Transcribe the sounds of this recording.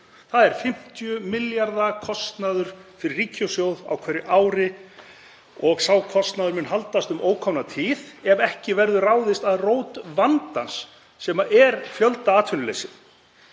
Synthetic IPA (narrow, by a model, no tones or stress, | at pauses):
θaðɛɾ̥fɪm̥t̪jʏmɪljaɾðakʰɔst̪naðʏɾ̥fɪɾɪriːcowsjowða̰wkʰvɛɾɪʔaːwɾɪ | ɔɣsaːwkʰɔst̪naðʏɾmʏnɦalt̪ast̪ʏmʔoːwkʰɔmnat̪ʰiːðɛvɛhcɪvɛɾðʏraːwðɪst̪aðroːwt̪vant̪ansː | ɛmaʔɛɾfjœlt̪aaːt̪ʰʏnʏlḛjsɪð